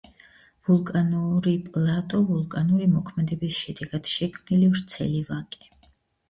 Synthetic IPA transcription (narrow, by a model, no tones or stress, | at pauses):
vulˠkʼanuɾipʼlˠat̪ʼɔvulˠkʼanuɾimɔkʰmɛd̪ɛbisʃɛd̪ɛɡad̪̥ʃɛkʰmnilivɾt̪sʰɛ̰livakʼɛ